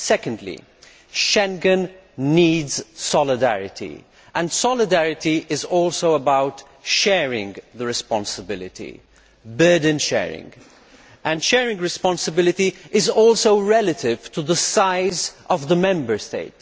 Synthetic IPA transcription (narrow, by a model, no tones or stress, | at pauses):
sɛkə̃ndlḭ | ʃɛ̃ŋɡə̃nː | iːdz̥sɔlɪdæɹɪ̰tḭ | ʔə̃ndsɔlɪdæɹɪtiʔɪzɔːlsoʊəbaʊt | ʃɛɹɪ̰̃ŋɡðəɹɨspɑ̃nsəbɪlɪ̰tʰḭ | bɜː˞d̃n̩ʃɛ̰ːɹɪ̰̃ŋɡ | ʔɨ̃nʃɛɹɪ̃ŋɡɹɨspɑ̃nsəbɪlɪtiɪzɔlˠsoʊɹɛlətɪv̥tʰuðəsaɪzʔʌvðəmɛ̃mbə˞steɪt